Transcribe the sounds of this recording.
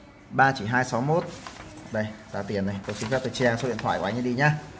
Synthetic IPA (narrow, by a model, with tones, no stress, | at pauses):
ɓaː˧t͡ɕi˧˩ɦaː˧jsa˨˦wmo˦˥t̚ɗə˧˩jzaː˨˧˩t̪i˨˩ənə˨˩jt̪o˧˩si˧˦fɛ˦˥t̪o˧˩jt͡ɕa˧ŋso˨˦i˧˨nt̪ʰwa̰ː˧˨˩kwaː˨˦ɲɨ˧ɗi˧ɲaː˧